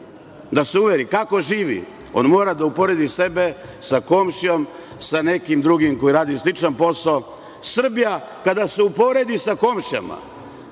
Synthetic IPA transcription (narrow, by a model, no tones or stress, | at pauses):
d̪aseuʋeɾikako̞ʒiːʋḭ | o̞̰nmo̞ːɾad̪aupo̞ɾe̞d̪ise̞besako̞mʃijo̞m | sane̞kimd̪ɾuɡimko̞iɾaːd̪iuslit͡ʃanpo̞sao | sr̩bija | kad̪aseupo̞ɾe̞d̪isako̞mʃja̰ma̰